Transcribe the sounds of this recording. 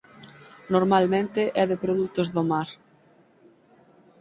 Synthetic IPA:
noɾmalmẽnt̪ɪʔɛðɪpɾoðut̪ozðomaɾ

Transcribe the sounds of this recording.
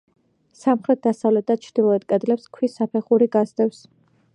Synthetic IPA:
samχɾɛt̪̚d̪̥asavlɛt̪̚d̪at͡ʃʰɾd̪ilˠɔɛt̪̚kʼɛd̪lɛpskʰwisapʰɛχuɾiɡazd̪ɛfs

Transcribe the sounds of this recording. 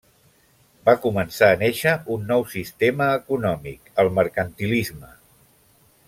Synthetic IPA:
bakumənsaːneʃəunːɔwsist̪eməːkunɔmḭkəlˠməɾkənt̪ilizmə

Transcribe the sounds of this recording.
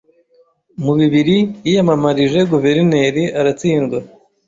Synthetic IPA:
muβiβiɾijijamamaɾiʒe̞ɡuve̞ɾine̞ɾiaɾat͡siːŋɡwa

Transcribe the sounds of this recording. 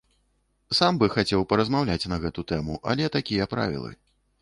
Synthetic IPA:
sambɨxat͡sʲɛwpɐɾɐzmawlʲat͡sʲnɐɣɛt̪ut̪ɛmuʔɐ̰lʲɛt̪akʲijɐpɾa̰vʲḭlˠɨ̰

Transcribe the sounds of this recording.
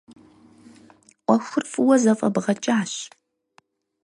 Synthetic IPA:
ʔʷʼɔxʷʊrfʼɨwɐzɐfʼɐ̰bʁɐt͡ʃʼaːɕ

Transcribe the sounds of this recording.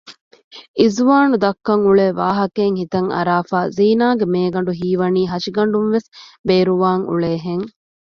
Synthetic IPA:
izuʋaːnud̪ɐkːɐŋuɭeːʋaːɦɐkeːŋhit̪ɐŋɐ̰ɾaːfaːziːnaːɡemeːɡɐɳɖuɦiːʋɐniːɦɐʃiɡɐɳɖunʋesbeːɾuʋaːŋṵɭeːɦeŋ

